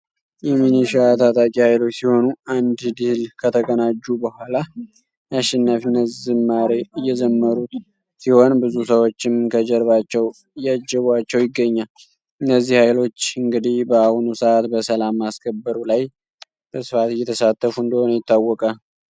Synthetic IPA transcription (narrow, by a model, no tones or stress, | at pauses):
jɛminiʃat̪ʰat̪ʼakʼihajlo̞t͡ʃːsiho̞nuand̪d̪ihlkʰət̪ʰəkʼənad͡ʒːubəhʷala | jaʃːɛnːafɨnːəzɨmːaɾe̞ɨjːɛd͡ʒɛmːəɾut̪ | siho̞nbɨzusəwo̞t͡ʃːɪmkʰəd͡ʒɛɾβat͡ʃːɛw | ɨjːad͡ʒɛβwat͡ʃːɛwjɪɡːəɲːal | ɨnːəzːihhajlo̞t͡ʃːɨŋɡɨd̪ihbəahnusəat̪bəsəlamːaskʰəbːəɾulaj | b̥əsɨfat̪jɛt̪ʰəsat̪ʰːəfuɨnd̪əho̞nəjɪt̪ːawːɔkʼal